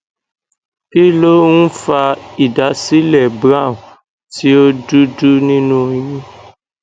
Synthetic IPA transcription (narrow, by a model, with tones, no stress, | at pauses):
ki˦lo˦wũ˦fa˧i˨da˨˦si˦lɛ˦˨bɾã˦˨ | ti˦o˦du˦du˦nĩ˦nũ˦jĩ˦